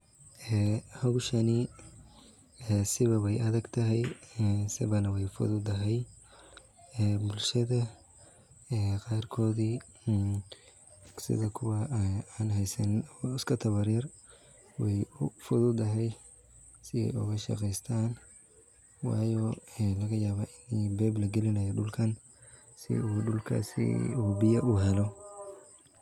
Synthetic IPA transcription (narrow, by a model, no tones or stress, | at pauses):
ʔɛːhɐɣʊʃɐni | ɛsɪβɐwɛjɐðɐɡt̪ʰɐɦɛjsɪβɐnɐwɛjfʊ̰ðʊd̪ɐɦɛj | ɛːbʊlʃɐðɐ | ɛːqɑːrkʰɔːði | sɪ̰ðɐkʰʊwɐaːnɦɛjsɐnɪskʰɐt̪ʰɐβɐɾjɐr | wɛjʊfʊðʊd̪ɐɦɛj | sɪɛ̰jʊ̰ɣɐʃɑ̰qɛjst̪ʰaːn | wɑ̰ːjɔːɛlɐɣɐjaːβaʔɪnibɛːblɐɡɛlɪnɐjɔɖʊlkʰɐn | sɪ̰uːɖʊlkʰɐ̰sḭuːbɪjɐʔuːɦɛlɔ